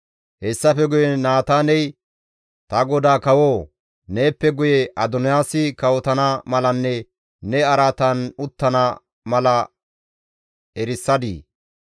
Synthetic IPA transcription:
hɛsːɐfɛɡʊjɛnaːt̪aːnɛj | t̪ɐɡɔd̪aːkɐwoː | ne̞ːpːɛɡʊjɛʔɐd̪ɔnɪjaːsɪkɐwɔt̪ɐnɐmɐlɐnːɛ | nɛɐɾaːt̪ɐnʊt̪ːɐnɐ | mɐlɐ | ɛɾɪsːɐd̪ḭː

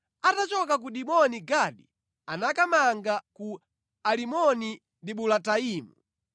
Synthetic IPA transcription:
atat͡ʃɔkak̬uɗimɔniɡaɗi | anakamaŋɡaku | alimɔni | ndiɓulataiːmu

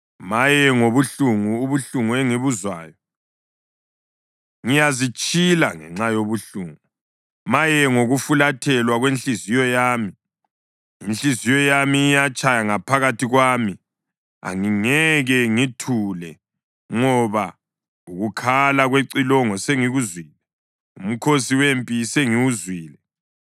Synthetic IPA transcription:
majɛŋoβuɬuŋuːβuɬuŋueŋiβuzwa̰ːjɔ | ŋijazit͡ʃʼila̰ŋɛ̰ŋ͡ǁajoβuɬuŋu | majɛŋoɣufulatʰɛlwaɣwent͡ɬizijɔjaːmi | int͡ɬizijɔjamiːjat͡ʃʼʰajaŋapʰaɣatiɣwaːmi | a̰ŋiŋɛɣɛŋitʰulɛ | ŋɔβa | uɣukʰalaɣweǀilɔŋɔseŋiɣuzwiːlɛ | um̩kʰosiwempʼiseŋiwuzwiːlɛ

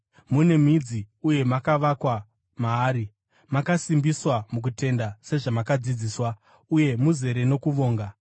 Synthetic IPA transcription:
mune̞mid͡ziuje̞makaʋakwa | maːɾi | makasimbiswamuk̬ute̞ndase̞ʐamakad͡zid͡ziːswa | uje̞muze̞ɾe̞no̞kuʋo̞ːŋɡa

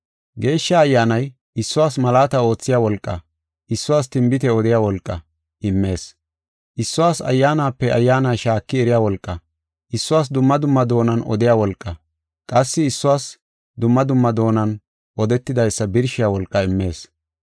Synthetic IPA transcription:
ɡe̞ːʃːɐɐjːaːnɐj | ɪsːʊwaːsmɐlaːt̪ɐo̞ːt͡sːɪjaːwɔlkʼːɐ̰ | ʔɪsːʊwaːst̪ɪmbɪt̪ɛɔd̪ɪjaːwɔlkʼːɐ | ʔɪmːe̞ːs | ʔɪsːʊwaːsɐ̰jːaːnaːpːɛɐjːaːnajʃaːkːɪɛɾɪjaːwɔlkʼːɐ | ʔɪsːʊwaːs̬d̪ʊmːɐd̪ʊmːɐd̪o̞ːnɐnɔ̰d̪ɪjaːwɔlkʼːɐ | kʼɐsːɪɪsːʊwaːs | d̪ʊmːɐd̪ʊmːɐd̪o̞ːnɐn | ʔɔd̪ɛt̪ːɪd̪ɐjsːɐbɪɾʃɪjaːwɔlkʼːɐɪmːe̞ːs

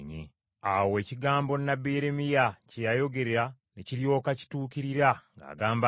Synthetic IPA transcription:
ɲḛ | awe̞ːciɡaːmbo̞nabeɾemijacejajo̞ɡe̞ɾeɾa | neciɾjo̞ːkaci̥tuːkiɾiɾaŋɡa̰ːɡaːmba

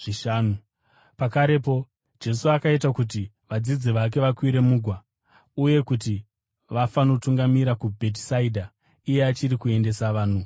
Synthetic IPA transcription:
ʐiʃaːnu | pakaɾe̞po̞ | d͡ʒe̞suakaitakut̬i | ʋad͡zid͡ziʋak̬e̞ʋakwiɾe̞muːɡʱwa | uje̞kut̬i | ʋafano̞tuŋɡamiɾakubʱe̞t̬saidʱa | ije̞at͡ʃiɾikue̞nde̞saʋaːn̤u

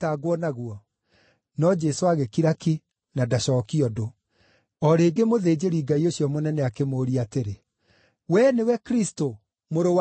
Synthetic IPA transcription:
taɡwɔnaɣwɔ | nɔd͡ʒesoaɣekiɾaki | nadaɕɔkiɔdo | ɔɾeːɡemoðeːd͡ʑeɾiɡaioɕjɔmonɛnɛakemoːɾiateɾe | wɛnewɛkɾisto | moɾow

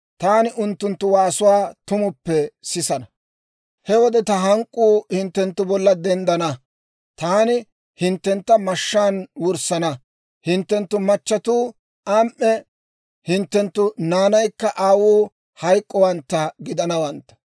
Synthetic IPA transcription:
t̪aːnɪʔʊnt̪ːʊnt̪ːʊwaːsʊwaːt̪ʊmʊpːɛsɪsɐnɐ | hɛwɔd̪ɛt̪ɐɦɐŋkʼːuːhɪnt̪ːɛnt̪ːʊbɔlːɐd̪ɛnd̪ɐnɐ | t̪aːnɪ | hɪnt̪ːɛnt̪ːɐmɐʃːaːnwʊɾsɐnɐ | hɪnt̪ːɛnt̪ːʊmɐt͡ʃːɐt̪uː | aːmʔːɛ | hɪnt̪ːɛnt̪ːʊnaːnɐjkːɐʔaːwuː | hɐjkʼːɔwɐnt̪ːɐɡɪd̪ɐnɐwɐnt̪ːɐ̥

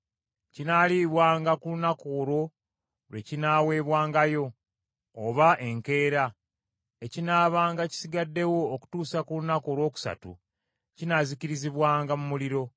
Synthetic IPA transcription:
cinaliβwaːŋɡakulunakoːɾo̞ | lwe̞cinaːwe̞ːβwaːŋɡajo̞ː | βaʔe̞ŋke̞ːɾa | ecinaːβaːŋɡaci̥siɡadːe̞wo̞ːku̥tuːsakulunako̞ːɾwo̞ːku̥sa̰tṵ | cinaziciɾiziβwaːŋɡamumuliɾo̞

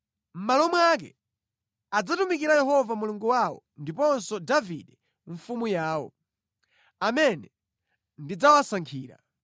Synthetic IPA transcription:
m̩malɔmwak̬ɛ̰ | ad͡zatumikiɾajɛɦɔvamuluŋɡuwawɔ̰ndipɔnsɔdaviɗɛ | ɱfumujaːwɔ̰ | amɛnɛ | ndid͡zawasaŋkʰiːɾa̰

